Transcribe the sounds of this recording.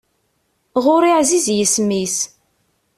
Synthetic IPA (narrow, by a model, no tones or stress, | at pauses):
ʁʊɾiʕzizjəsmis